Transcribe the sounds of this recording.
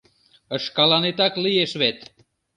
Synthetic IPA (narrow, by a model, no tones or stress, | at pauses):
əʃkɑlɑnet̪ɑklijeʃβet̪